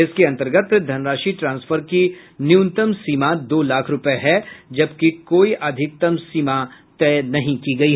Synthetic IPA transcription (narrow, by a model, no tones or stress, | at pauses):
ɪskiɐ̃nt̪əɾɡət̪d̪ʱɐnɾaːʃiʈɾãːnsfʰəɾkiniʊnt̪əmsiːmad̪oːlaːkʰɾʊpeɦɛd͡ʒɐbkikoːiʔɐd̪ʱɪk̚t̪ɐmsiːmat̪ɛːnɐɦĩkiɡɐiɦ